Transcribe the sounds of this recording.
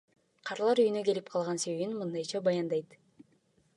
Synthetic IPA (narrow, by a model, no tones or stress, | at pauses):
qʰɑɾlˠɑɾyjynøɡe̞lip̚qʰɑlˠʁɑnse̞βe̞βinmɯnd̪ɑjt͡ʃʰɑbɑjɑnd̪ɑjt̪